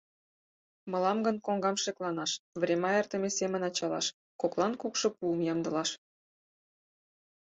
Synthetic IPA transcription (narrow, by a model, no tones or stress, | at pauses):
mɤ̆lɑmɡə̆nkoŋɡɑmʃeklˠɑnɑʃvrʲemɑert̪ə̆mesemənɑt͡ɕɑlɑ̰ʃ | koklˠɑnkukʃŏpuəmjɑmd̪ə̆lɑʃ